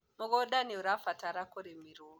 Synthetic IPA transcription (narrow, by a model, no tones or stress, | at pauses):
moɣɔɗaniuɾafataɾakoɾemiɾo